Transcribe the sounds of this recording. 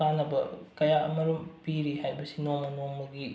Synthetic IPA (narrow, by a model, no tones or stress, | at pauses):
anːɐbɐkɐjaɐmɐɾumpiɾihajbɐsinoŋmɐnoŋmɐɡi